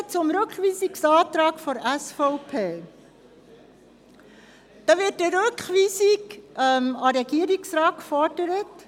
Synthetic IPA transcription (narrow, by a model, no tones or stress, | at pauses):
t͡sʊmɾʉkχʋiːsiksɑːtɾɑːkfɔɾæsfɔʊpʰeː | d̥ɑʋɪtːəɾøkχʋiːsikmɑɾɛɡiəɾiksɾɑːtkfɔrd̥əɾət